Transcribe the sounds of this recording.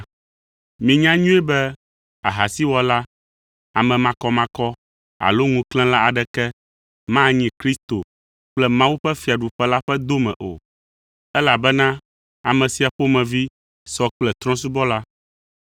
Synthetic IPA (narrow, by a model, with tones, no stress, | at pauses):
mĩ˨ɲã˦ɲũ˦ɛ˦bɛ˦ | a̰˨ɦa˨si˦wɔ˨la˦ | a˨mɛ̃˨mã˨kɔ˦mã˨˦kɔ˦ | a̰˨lo˦ŋũ˦klɛ̃˦la˦a˨ɖɛ˨kɛ˦ | mã˦ɲĩ˨kɾi˦st̪o˨ | k͡plɛ˦mã˦wu˦ɸɛ˦fi˨a˨ɖu˨ɸɛ˦la˦ɸɛ˦d̪o˦mɛ̰̃˨ʔo̰˨ | ɛ˦la˨bɛ˦nã˦ | a˨mɛ̃˨si˨a˨ɸo˦mɛ̃˨vi˦ | sɔ˦k͡plɛ˨t̪ɾ̃ɔ̃˦s̬u˦bɔ˦la˦